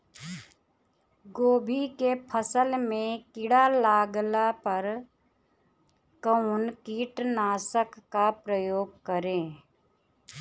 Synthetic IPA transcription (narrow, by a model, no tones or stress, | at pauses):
ɡoːbʱikepʰəsəlmẽkɪɽalaːɡlapəɾ | kəʊnkiːʈnaːsəkːapɾəjoːɡ̚kəɾẽː